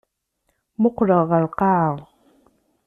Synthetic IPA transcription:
moqɻɑʁɑlqɑː

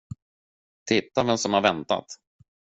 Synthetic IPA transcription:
t̪ʰɪt̪ːavɛmsɔmhaɾvɛnt̪a̰t̪

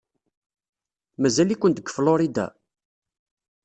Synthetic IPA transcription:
mæzælikʷːənt̪əɡəfloɾid̪æ̰

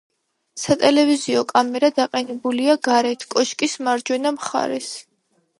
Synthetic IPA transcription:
sat̪ʼɛlɛviziɔkʼamɛɾad̪aqʼɛnɛbuliaɡaɾɛt̪ʰkʼɔʃkʼismaɾd͡ʒwɛnamχa̰ɾɛs

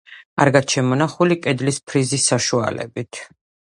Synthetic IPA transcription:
aɾɡat͡ʃʰɛmɔnaχulikʼɛd̪lispʰɾizisːaʃua̰lɛ̰bit̪ʰ

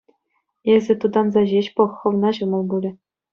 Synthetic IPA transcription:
ezʲɘ̆t̪ud̪ɑnzɑʑeɕpɤ̆χːɤ̆ʋnɑʑɤ̆mɤ̆lˠbulʲɘ̆

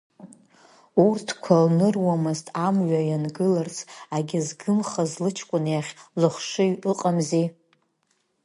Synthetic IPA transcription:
urtʰkʷʰalnɨrwamɨztʼamɥajanɡɨlart͡sʰaɡʲɪzɡɨmχazlɨt͡ʃʰkʷʼʊnjaχʲlɨχʷʂɨjɥɨqʼamzi

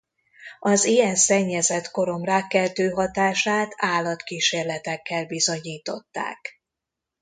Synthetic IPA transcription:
ɒzijɛnsɛɲːɛzɛt̪ko̞ɾo̞mraːkːɛzd̪øːɦɒt̪aːʃaːt̪aːlːɒt̪kiːʃeːrlɛt̪ɛkːɛlbizo̞ɲiːt̪o̞t̪ːa̰ːk

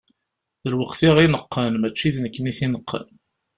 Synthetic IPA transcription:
ðəlwəqθiʁinəqːənmæt͡ʃːiðnəkːniθinəqʰːə̰n

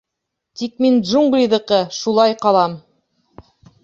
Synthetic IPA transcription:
t̪ik̚mindʒuŋɡlʲiðɤ̆qɤʃulˠɑjqɑlˠɑm

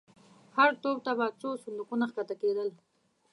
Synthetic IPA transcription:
haɾt̪ob̚t̪abat͡ʃosʊnd̪uqunaxkat̪aked̪əl

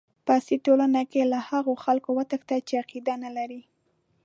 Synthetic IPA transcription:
pasiʈolanakelahaɣoxalkowat̪əkt̪at͡ʃeaqid̪analaɾi

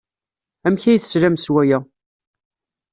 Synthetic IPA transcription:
æmçæjθə̥sɾæmswæjæ

